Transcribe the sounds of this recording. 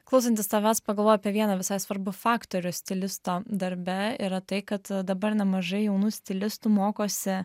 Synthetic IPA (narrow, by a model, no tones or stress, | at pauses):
klˠɐʊs̬ɐnʲt̪ʲɪst̪ɐʋʲæːt̪spɐɡɐlˠʋoːjɐpʲiɛʋʲiɛnɐʋʲɪsɐɪsʋɐɾbʊfɑːkt̪oːɾʲʊsʲt̪ʲɪlʲɪst̪oːd̪ɐɾʲbʲɛiɾɐt̪ɐɪkɐt̪d̪ɐbɐɾnʲɛmɐʒɐɪjɛʊnuːsʲt̪ʲɪlʲɪst̪umoːkoːsʲɪ